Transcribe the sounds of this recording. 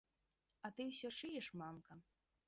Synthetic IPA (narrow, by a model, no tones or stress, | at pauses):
ɐt̪ɨwsʲɔʂɨjɛʂmamkɐ